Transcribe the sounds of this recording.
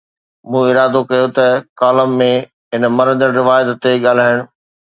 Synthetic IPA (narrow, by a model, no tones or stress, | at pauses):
mũːɪɾaːd̪okɐjot̪ɐkaːləmːẽ | ɦɪnmɐɾə̃d͡ʑəɽɾɪʋaːjət̪t̪eɠaːl̤aːɪɽ̃ʊ̆